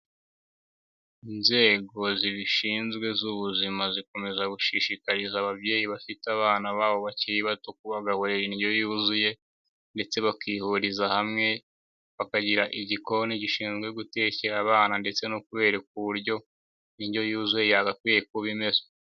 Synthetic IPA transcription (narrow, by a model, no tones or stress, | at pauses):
inze̞ːɡo̞ziβiʃiːnzɡwe̞zuβuzimaziko̞me̞zaɡuʃiʃikaɾizaβaβɟe̞ːjiβafitaβaːnaβaːβo̞βaciiβatok̚uβaɡahoɾeeniɟojuzuje̞ | nde̞t͡se̞βakiːhuɾizahamŋe̞ | βakaɟiɾaʔiɟiko̞niɟiʃiːnɡwe̞ɡute̞ceɾaβaːnande̞t͡se̞nokuβe̞ːɾak̚uβuɾɟo̞ | niɟjo̞juzuje̞jaɡakwijekuβime̞zo̥